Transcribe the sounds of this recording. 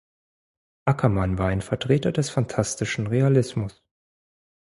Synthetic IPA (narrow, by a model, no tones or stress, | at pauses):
ʔakʰɐmanvaːɐaɪnfɛɐtʁ̥eːtɐdɛsfantʰastɪʃn̩ʁealɪsmʊs